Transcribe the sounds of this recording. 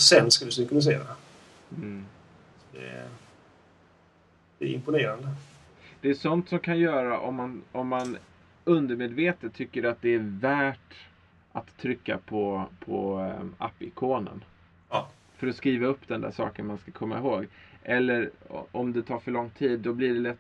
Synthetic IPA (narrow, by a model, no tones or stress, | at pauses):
sɛnskad̪d̪ɵsɪŋkʊnɪs̬ḛːɾa | d̪ɛ̰ | d̪̥ɛ̰ɾɪ̰mpʊneːɾand̪ə | d̪̥ɛæʂɔnt̪sɔmkʰanjœːɾaʔɔmːanɔmːan | ɵnd̪əɾmeːd̪veːt̪ət̪ʰːʏkːəɾat̪̚d̪ɛæɾvæːʈ | ʔat̪ʰːɾʏkːa̰pʰɔpʰɔ̰a̰pːɪkʰoːnə̰nː | fœɾɔskɾiːvaɵpːd̪ɛnd̪æ̰ːʂɑ̰ːkənmanskakʰɔmːaɪɦoːɡʔɛlːəɾɔ̰ɔmd̪ɛt̪ʰɑːɾfœɭɔŋːt̪ʰiːd̪ːɔblɪɖɛlɛt̪ː